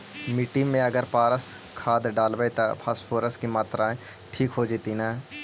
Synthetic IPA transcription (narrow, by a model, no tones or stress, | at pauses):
miːʈiːmẽəɡəɾpaːɾəs | kʰaːd̪ɖaːlʋet̪apʰaːspʰoːɾəskimaːt̪ɾãːẽ | ʈʰiːkɦoːd͡ʒɪːt̪iːnaː